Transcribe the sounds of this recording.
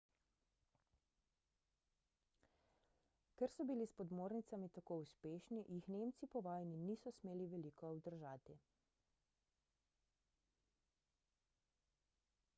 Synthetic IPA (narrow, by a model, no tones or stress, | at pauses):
kɛɾsɔbilispɔd̪moːɾnit̪samit̪akouspeːʃniʔjixneːmt̪sipɔʋaːjniniːsɔsmeːliʋɛliːkɔːbd̪əɾʒaːt̪i